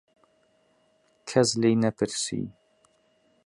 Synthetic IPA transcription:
kʰɛzlejnɛpʰɨɾsḭː

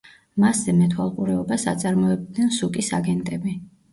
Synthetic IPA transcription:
maszɛmɛt̪ʰwalˠqʼuɾɛɔbasa̰t̪sʼaɾmɔɛb̚d̪nɛnsukʼisaɡɛnt̪ʼɛbi

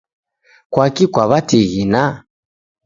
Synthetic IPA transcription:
kwakikwaβatiɣina

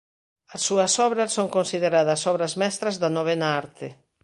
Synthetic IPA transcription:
ɐsːuɐsɔβɾɐsoŋkonsiðeɾaðɐsɔβɾɐzmɛst̪ɾɐzðɐnoβ̞ɛnaaɾt̪ɪ

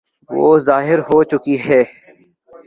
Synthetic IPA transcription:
ʋo̰ːzaːɦɪɾɦoːt͡ʃʊkiɦɛː

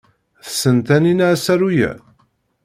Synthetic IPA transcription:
θə̥sənt̪æninaʕsæɾujæ̰

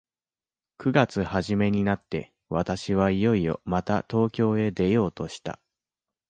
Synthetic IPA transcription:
kɯ̟ɡat͡sɨhaʑime̞ɲ̟inat̪ːe̞̰ | βat̪aɕiβ̞aijo̞io̞̰mat̪a̰t̪o̞ːkʲo̞ːe̞d̪e̞jo̞ːt̪o̞ɕi̥t̪a̰

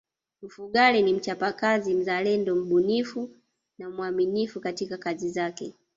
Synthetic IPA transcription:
m̩fuɠalɛnim̩t͡ʃapakazim̩zalɛndɔm̩ɓunifu | namwaminifukatikakazizakɛ

